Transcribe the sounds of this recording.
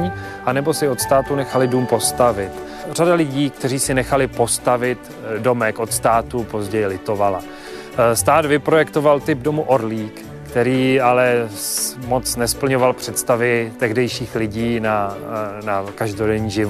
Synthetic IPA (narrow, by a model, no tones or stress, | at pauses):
ɲi | ʔanɛbo̞sɪo̞t̪st̪aːt̪unɛxalɪduːmpo̞st̪avɪt̪ | radalɪɟiːk̚t̪ɛriːsɪnɛxalɪpo̞st̪avɪt̪ | do̞mɛkʔo̞t̪st̪aːt̪upo̞zɟɛjɪlɪt̪ovala̰ | st̪aːd̪vɪpɾo̞jɛkt̪o̞valt̪ɪbdo̞muʔoɾliːk | kt̪ɛɾiːalɛ | mo̞tt͡snɛspl̩ɲo̞valpr̥ɛt̪st̪avɪt̪ɛɣdɛjʃiːxlɪɟiːnanakaʒdo̞dɛɲiːʒɪv